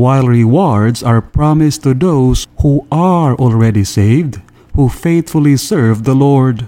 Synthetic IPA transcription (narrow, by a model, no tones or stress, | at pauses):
waɪlˠɹiwɔɹdzaɹpʰɹɑmɪstuðoʊz̥huaɹɔlˠɹɛɾiseɪvd | hufeɪθfəl̩ˠisɜ˞vðəlɔɹd